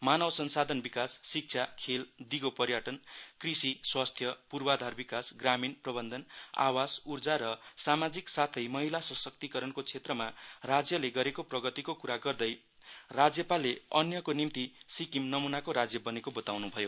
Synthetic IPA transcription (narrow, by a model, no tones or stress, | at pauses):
manʌwsʌnsad̪ʱʌnbikasːik̚t͡sʰakʰeld̪iɡopʌɾjaʈʌnkrisiswast̪ʰjʌpurbad̪ʱarbikasɡraminprʌbʌnd̪ʱʌna̰wad͡zurd͡zaɾʌsamad͡ziksat̪ʰʌjmʌɦilasʌsʌk̚t̪ikʌɾʌnkot͡sʰet̪rʌmarad͡zjʌleɡʌɾekoprʌɡʌt̪ikokuɾaɡʌrd̪ʌj | rad͡zjʌpaleʌnjʌkonimt̪isikimnʌmunakoɾad͡zjʌbʌnekobʌt̪awnubʱʌjo